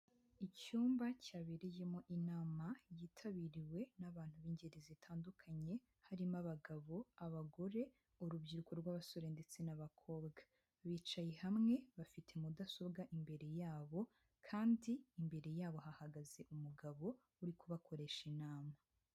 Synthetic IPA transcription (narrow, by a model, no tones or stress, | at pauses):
icuːmbacaːβeɾeje̞mo̞ʔinaːmajiːtʰaβiɾiwe̞naβaːn̥huβiːɲɟeɾizitʰaːndukʰaɲe̞ | haɾimaβaɡaβo̞aβaɡo̞ɾe̞ | uɾubɟiɾukoɾɡwaβaso̞ɾende̞t͡se̞naβakʰo̞ːbɡa | βiːt͡ʃajehamŋe̞βafitʰe̞mudaso̞bɡaʔimbe̞ɾe̞jaːβo̞ | kʰaːndiːmbe̞ɾe̞jaːβo̞hahaɡaze̞ʔumuɡaβo̞ | uɾikuβakʰo̞ɾe̞ʃinaːma